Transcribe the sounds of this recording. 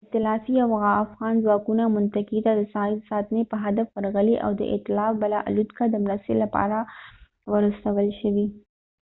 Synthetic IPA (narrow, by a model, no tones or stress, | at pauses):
t̪ɪlɑfiawɣaːfɣɑnzwɑkunamʊnt̪akit̪ad̪əsɑjsɑt̪nepəɦad̪afwəɾɣəliʔa̰wd̪ə̰ʔɪ̰t̪ɪlɑfbalɑʔa̰lud̪kad̪əmɾast̪elapɑ̰ɾa | wəɾəst̪awəlʃəwi